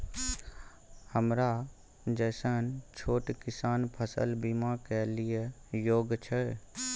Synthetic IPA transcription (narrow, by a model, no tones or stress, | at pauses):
həmɾa | d͡ʒɛːsənt͡ʃʰoːʈkɪsaːnpʰəsə̰lbimakelijejoːɡt͡ʃʰɛ